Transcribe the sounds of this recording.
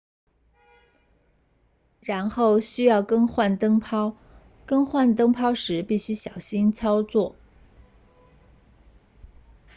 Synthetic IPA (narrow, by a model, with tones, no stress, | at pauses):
ɻa˧˥nxo˥˩ʊɕy˥jɑ˥˩ʊkɤ˥ŋxwa˥˩nt̪ɤ˥ŋpʰɑ˥ʊ | kɤ˥ŋxwa˥˩nt̪ɤ˥ŋpʰɑ˥ʊʂɻ̩˧˥pi˥˩ɕy˥ɕjɑ˨˩ʊɕi˥nt͡sʰɑ˥ʊt͡swɔ˥˩